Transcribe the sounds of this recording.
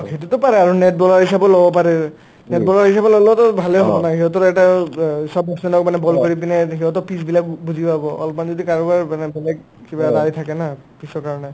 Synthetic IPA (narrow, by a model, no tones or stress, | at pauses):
hetutɔpaɹɛaɹunɛt̚bɔlaɹɦisabɔlɔbɔpaɹɛ | nɛtbɔlaɹɦisabɔlɔlɔɔtɔbʱalɛɦɔbɔnaɦiɔtɔtɛtasɔb̚dɔsnɛnɔk̚manɛbɔlkɔɹip̬inɛɦiɔtɔpisbilakbuzʱipabɔʔɔ̰lɔpmanzɔdikaɹɔbaɹmanɛbɛlɛk | kibadajtʰakɛnapisɔɹkaɹɔnɛ